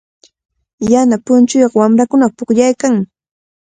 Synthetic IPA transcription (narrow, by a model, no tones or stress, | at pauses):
janapʊnt͡ʃʊjoɢwamɾakʊnaχpʊkʎajkaŋ